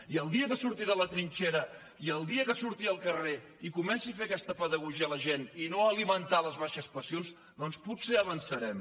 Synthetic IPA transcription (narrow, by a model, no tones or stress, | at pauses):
iəlˠd̪iəkəsuɾt̪iðələt̪ɾinʲt͡ʃeɾə | iəlˠd̪iəkəsuɾt̪iəlˠkəre | ikumɛnsiəfeəkɛst̪əpəðəɣuʒiələʒeninoəlimənt̪aləzβaʃəspəsions | d̪ɔnsput̪seəβənsəɾɛm